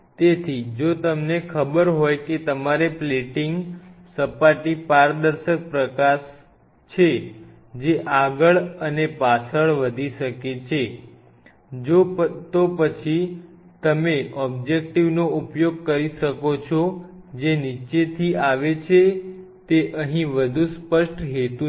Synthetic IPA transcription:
t̪et̪ʰid͡ʒot̪əmnekʰəbəɾɦojket̪əmaɾepleʈiŋɡsəpaʈipaɾd̪əɾʃək̚pɾəkaʃ | t͡ʃʰe | d͡ʒeʔaɡəɭənepat͡ʃʰəɭʋəd̪ʱiʃəket͡ʃʰe | d͡ʒot̪opət͡ʃʰi | t̪əmeʔɔb̚d͡ʒek̚ʈiʋnoupjoɡ̚kəɾiʃəkot͡ʃʰɔ | d͡ʒenit͡ʃet̪ʰiaʋet͡ʃʰe | t̪eʔəɦĩʋəd̪ʱũspəʃʈɦet̪u

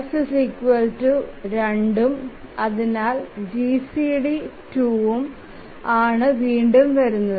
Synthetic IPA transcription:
sɐsikʋɐltuɾeɳɖumɐðinaːld͡ʑisiɽituʋum | aːɳɨʋiːɳɖumʋɐɾunːɐð

